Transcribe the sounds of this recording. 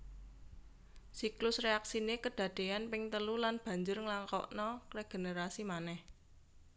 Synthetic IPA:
siklʊsreaksinekəɖ̥a̤d̪̥e̤anpɪŋt̪əlulanb̥ä̤ɲd͡ʒʊrŋəlaŋkɔ̰ʔnɔkɾeɡ̥e̤nəɾasimanɛh

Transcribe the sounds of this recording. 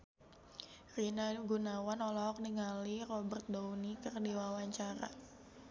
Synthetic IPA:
rinaɡunawanɔlɔɦɔk̚niŋalirɔbərt̪̚dounikərdiwawaɲt͡ʃaɾa̰

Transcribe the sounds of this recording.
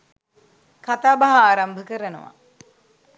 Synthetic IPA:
kat̪aːbaɦaaːɾambʱəkəɾənə̰ʋa̰

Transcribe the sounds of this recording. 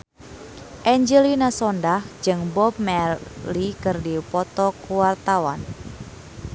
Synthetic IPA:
ʔɛɲd͡ʒəlinasɔndahd͡ʒɨŋbɔp̚mɛlikɨrdipɔt̪ɔkuwart̪awan

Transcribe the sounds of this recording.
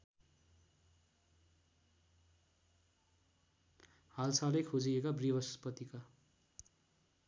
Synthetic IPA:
halsalʌjkʰod͡ziekabribʌspʌt̪ika

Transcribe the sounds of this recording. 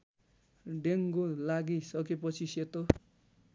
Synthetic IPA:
ɖeŋkolaɡisʌkepʌt͡sʰiset̪o

